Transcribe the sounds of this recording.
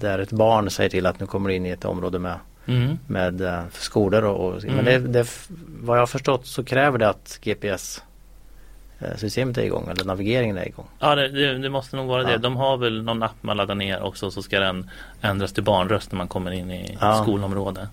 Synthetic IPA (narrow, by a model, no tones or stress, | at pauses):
d̪æɾɛt̪bɑːɳsɛjːəʈʰɪlːat̪nʉ̟ːkʰɔmːəɖɛɪnːɪɛt̪ɔ̰mɾoːd̪əmɛ | meːd̪skuːləɾɔʔɔmɛnd̪ɛd̪ɛvajɑːhafœʂʈɔt̪ːsɔkʰɾɛːvəɖɛat̪ɡeːpeɛs | sʏst̪eːmət̪æ̰ɾɪ̰ɡɔ̰ŋːʔɛlːəɳavɪɡeːɾɪŋənæ̰ɾɪ̰ɡɔ̰ŋːɑːd̪ɛd̪ɛd̪ɛmɔst̪ənuːɡvɑːɾad̪ɛd̪ɔmɦaɾvɛlnɔnːapːma̰nlad̪ːaneːɾʔɔ̰ksɔsɔskad̪ɛn | ɛnd̪ɾast̪ʰɪlbɑːɳɾœst̪namankʰɔmːəɾɪnːɪ̰ɑskuːlɔmɾoːd̪ə